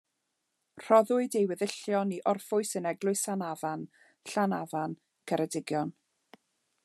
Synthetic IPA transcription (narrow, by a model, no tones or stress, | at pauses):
r̥ɔðʊɨdejwɪðɪɬjɔniʔɔrfʊɨsənɛɡlˠʊɨsanavan | ɬanavan | kʰəɾədɪɡjɔn